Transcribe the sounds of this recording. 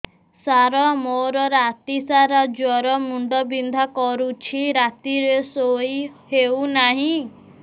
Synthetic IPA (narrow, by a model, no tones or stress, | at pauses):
saɾɔmoɾɔɾat̪isaɾad͡ʒwɔɾɔmuɳɖɔbind̪ʱakɔɾut͡ʃʰiɾat̪iɾesojheunaɦĩ